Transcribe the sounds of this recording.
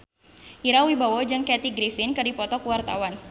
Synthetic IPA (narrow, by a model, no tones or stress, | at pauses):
ʔiɾawibawod͡ʒɨŋkɛt̪iɡɾifɪnkɨrdipɔt̪ɔkuwart̪a̰wan